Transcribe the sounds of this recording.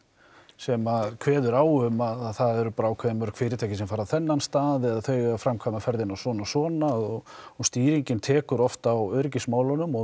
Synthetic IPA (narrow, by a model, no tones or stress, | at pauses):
sɛmaðkʰvɛːðʏɾaːwʏmaðθaðɛɾʏpaːɾaːwkʰvɛːðmœɾkʰv̥ɪːɾɪt̪ʰaːcɪsɛmfaːɾaθɛnːanst̪aːðɛðaθœːɥɣafɾamkʰvaːmafɛɾðɪnawsɔːnasɔːnaɔɣɔst̪iːɾiɲcɪnt̪ʰɛːkʏɾɔft̪awœɥɾɪcɪsmaːwlɔnʏmɔ